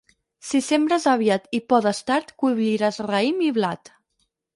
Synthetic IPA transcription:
sisembɾəzaβiat̪ipɔðəst̪aɾt̪kuβʎiɾazraimiβlat̪

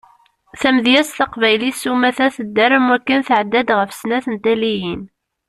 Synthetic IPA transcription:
θæmðjæsθɑqvæjlisumæθæθəd̪ːəɾəmwækːənθʕəd̪ːæd̪ʁəfsnæθənt̪ælijin

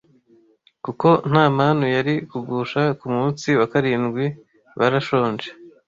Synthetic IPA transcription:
kuko̞n̥aːmanujaɾikuɡuːʃakumuːnt͡siwakaɾiːnɡwi | βaɾaʃo̞ːnd͡ʒe

